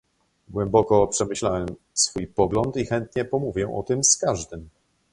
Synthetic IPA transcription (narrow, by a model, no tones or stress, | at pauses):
ɡwɛmbɔkɔpʂɛmɘɕlawɛm | sfujpɔɡlɔnt̪ixɛnt̪ɲɛpɔmuvʲjɛʔɔ̰t̪ɘmskaʐd̪ɘm